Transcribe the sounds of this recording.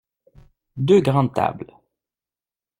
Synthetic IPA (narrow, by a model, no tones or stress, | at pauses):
d̪øɡʁɑ̃t̪a̰bl